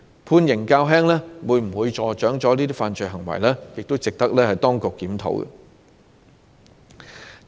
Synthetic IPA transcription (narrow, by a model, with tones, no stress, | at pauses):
pʰuː˧njɪ˨˩ŋkaː˧wɦɛː˥ŋlɛː˥wuː˨˧jm̩˨˩wuː˨˧jt͡ʃɔː˨˩t͡ʃœː˨˥ŋt͡sɔː˨˥liː˥t̪i˥faː˧nt͡ʃɵ˨˧jɦɐ˨˩ŋwɐ̰˨˩jlɛː˥jɪ˨k̚t̪o˥wt͡sɪ˨k̚t̪ɐ˥k̚lɛː˥hɐ˨jt̪ɔː˥ŋkʊ˨kːiː˨˥mt̪ʰo̰˨˥wɡɛ̰˧˨